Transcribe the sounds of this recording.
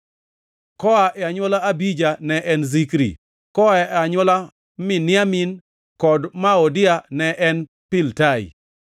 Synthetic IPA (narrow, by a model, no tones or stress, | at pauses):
kɔaʔɛaɲwɔlaabid͡ʒanɛʔɛnzikɾḭ | kɔaɛaɲɔla | mɪnɪamin | kɔdmaɔdɪanɛʔɛn | pɪltaḭ